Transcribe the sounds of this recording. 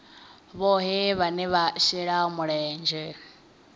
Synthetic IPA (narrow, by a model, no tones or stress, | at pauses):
βɔɦiβanɛβaʃiɺamuɺɛːnd͡ʒɛ